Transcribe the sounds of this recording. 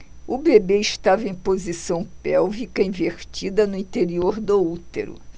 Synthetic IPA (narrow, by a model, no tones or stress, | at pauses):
ʊbebeiʃt̪avɐẽj̃pozisɐ̃w̃pɛwvikɐĩveɾt͡ʃid̪ɐnʊĩt̪eɾioɾd̪out̪ḛɾʊ̰